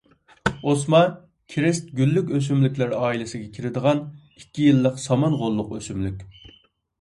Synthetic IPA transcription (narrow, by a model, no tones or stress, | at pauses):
osmɑ | kʲʰɾɪst̪̚ɡʲylːykʲøs̬ymlykʲlæɾɑːilɪsɪɡʲɛkʲʰiɾɪd̪əʁɑn | ikʲːijilˠːəqsɑmɑnʁolˠːʊqøsymlykʲ